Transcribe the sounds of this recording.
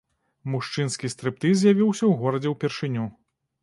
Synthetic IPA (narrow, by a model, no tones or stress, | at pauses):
muʂt͡ʂɨnskʲist̪ɾɨp̚t̪ɨzʲjavʲiwsʲɐwɣɔɾɐd͡zʲɛwpʲɛrʂɨnʲu